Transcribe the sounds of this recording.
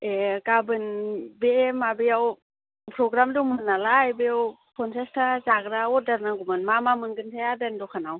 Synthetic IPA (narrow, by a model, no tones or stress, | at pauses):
ekabɯnbeemabejaw | pʰɾoɡɾamdumɯnalajbejawpʰonsestʰat͡ʃakɾaodarnaŋɡumɯnmamamɯŋɡɯnsʰajadɛndɔkʰanaw